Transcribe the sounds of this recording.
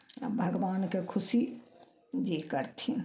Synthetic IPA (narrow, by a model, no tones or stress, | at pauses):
ə̰bʱəɡʋaːnkekʰʊsi | d͡ʒikəɾt̪ʰi